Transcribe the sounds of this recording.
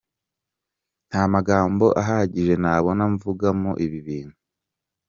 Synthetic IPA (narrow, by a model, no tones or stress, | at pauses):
n̥hamaɡaːmbo̞ʔaɦaɟiʒe̞naːβo̞naɱvuɡamoʔiβiβiːn̥hu